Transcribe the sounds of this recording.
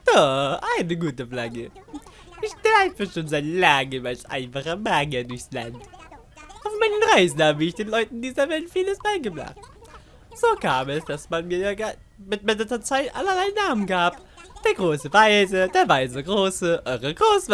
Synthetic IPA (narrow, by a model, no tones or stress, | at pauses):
d̥ɔχʔaɪnəɡuːtəfla̰ɡə | ʔɪçɡ̥laɪfəʃoːnzatlaŋəmalsʔa̰ɪnfaχəmaɡɐdʊɐçsla̰nt | ʔaʊfmaɪnənʁaɪzn̩haːbəɪçd̥eːnlɔʏtn̩ɪndiːzɐvɛltfiːləsmaːlɡəbʁa̰χt | z̥oːkʰaːmɛsd̥asmanmiːɐjaːɡa | mɪt̚madɐtɐt͡saɪtʔa̰lɐlaɪnaːmənɡaːp | d̥eːɐɡʁoːsəvaɪzəd̥eːɐvaɪzəɡʁoːsəʔɔʁəɡʁoːs